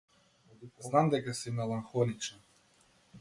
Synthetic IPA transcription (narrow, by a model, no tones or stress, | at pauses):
znamd̪ɛkasimɛlˠaŋxɔlit͡ʃa